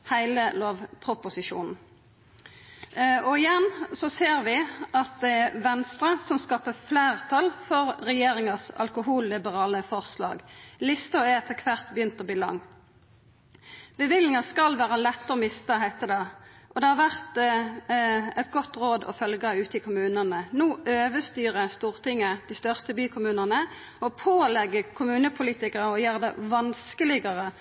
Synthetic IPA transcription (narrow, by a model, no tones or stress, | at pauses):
hæɪləloːʋpʰʁʊpʊsɪʃṵːnn̩ | ɔɪjɛnsɔseːɾʋɪʔɑt̪̚d̪ɛæʋɛnst̪ɾəsɔmskɑːpəfleːʁt̪ʰɑlfɔʁʁɛjeːʁɪŋɑsɑ̰lkʊɦuːlːɪbəʁɑːləfɔʁslɑ̰ːɡlɪst̪əɔɛɛt̪ʰːəkʰʋæʁt̪bjʏnt̪ɔbiːlɑ̰ŋː | b̥əʋɪlɪŋɑskɑlʋæːʁəlɛt̪ːəɔmɪst̪əɦæɪt̪əd̪ɛ | ʔɔd̪ɛhɑʁʋæʁt̪ | ɛt̪ɡɔt̪ːʁoːd̪ɔ̰fœlɡɑʉːt̪ɪkʰʊmʉːnənənuːʔøːʋəst̪yːʁəst̪uːʁt̪ɪŋːəd̪̥ist̪œʁst̪əbyːkʰʊmʉːnənə | ɔpʰoːlɛɡːəkʰʊmʉːnəpʰʊliːt̪ɪkəʁəɔjøːʁd̪ɛ̰ʋɑnskəlɪɡɑʁə